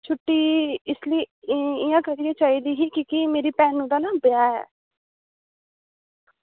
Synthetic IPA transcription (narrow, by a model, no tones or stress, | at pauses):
t͡ʃʰʊʈːiːɪsliiɪjãːkəɾiet͡ʃaːid̪iːɦiːkikimeːɾiːpɛːnũd̪aːnaːbəjaːɦɛ̰ː